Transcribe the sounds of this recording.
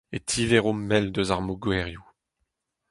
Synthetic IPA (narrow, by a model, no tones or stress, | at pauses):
et̪ʰiveʁomːɛld̪øzaʁmoɡwɛʁju